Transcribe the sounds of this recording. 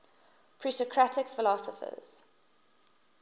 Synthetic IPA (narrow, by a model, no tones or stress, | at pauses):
pʰɹiˑtɔkʰɹatɪkfɪlɔsəfə̰z̥